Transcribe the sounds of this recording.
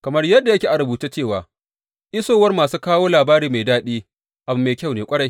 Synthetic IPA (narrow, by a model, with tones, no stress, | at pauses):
kɐ˨mɐ˦rjɐ˦dːa˨jɐ˦kʲeː˨ʔa˨ɽʊ˨buː˨taː˦t͡ʃeː˦˨waː˨ | ʔɪ˦soː˦˨wɐ˦rmaː˨suː˦kaː˦woː˦laː˨baː˦ɾiː˨ma˨jdaː˦ɗiː˦ | ʔa˨bʊ˨˦mːeː˨kʲa˦˨wneː˨kʷʼɐ˦ɽa˨j